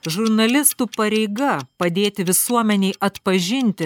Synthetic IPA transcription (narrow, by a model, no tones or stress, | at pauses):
ʒʊɾnɐlʲɪst̪uːpɐɾʲɛɪɡɐpɐd̪ʲeːt̪ʲɪʋʲɪsuɔmʲɛnʲɛɪʔɐt̪pɐʒʲɪnʲt̪ʲɪ